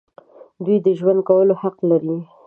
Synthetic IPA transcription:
d̪wijd̪əʒwand̪̚kawəlohaqlaɾi

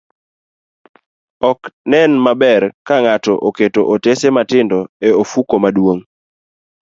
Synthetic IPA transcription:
ɔknɛnmabɛrkaŋatɔʔoketoʔotesematɪndɔeofukomadwoŋ

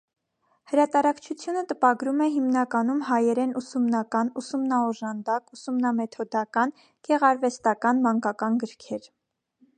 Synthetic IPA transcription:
həɾɑt̪ɑɾɑkt͡ʃʰut͡sʰjunət̪əpɑɡɾumɛɦimnɑkɑnumhɑjɛɾɛnusumnɑkɑnusumnɑɔʒɑnd̪ɑkusumnɑmɛt̪ʰɔd̪ɑkɑn | ɡ̥ɛʁɑɾvɛst̪ɑkɑnmɑŋkɑkɑnɡəɾkʰɛɾ

